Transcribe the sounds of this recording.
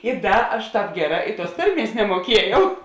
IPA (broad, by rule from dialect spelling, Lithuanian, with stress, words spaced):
ɪ ˈdɐ ɐʃ ˈtɑːp ˈɡʲæːˌrɑː ɪ tuɔs ˈtɐrʲˌmʲiɛs nʲɛmuɔˈkʲiɛjɛʊ